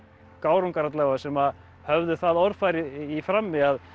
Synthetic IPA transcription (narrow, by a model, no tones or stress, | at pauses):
kaːwɾuŋkaɾat̪lavasɛma | hœvðʏθaðɔɾfaːjɾɪifɾamːɪað